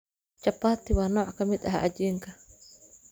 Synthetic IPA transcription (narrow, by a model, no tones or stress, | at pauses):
t͡ʃapat̪iwanɔʔakamid̪aɦa̰ʔad͡ʒiŋka